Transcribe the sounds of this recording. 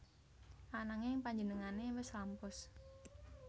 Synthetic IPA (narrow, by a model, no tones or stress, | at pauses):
ʔanaŋɪŋpaɲd͡ʒənəŋanewɪslampʊs